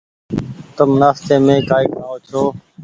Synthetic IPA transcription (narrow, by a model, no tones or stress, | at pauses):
t̪əmnaːst̪eːmẽːkaːɪknəɦoːt͡ʃʰoː